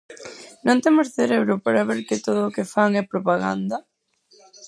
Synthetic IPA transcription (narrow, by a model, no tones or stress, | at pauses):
nõŋt̪emʊsθeɾeβɾʊpaɾaβeɾkɪt̪oðʊːkɪfaŋɛpɾopaɣa̰nd̪ɐ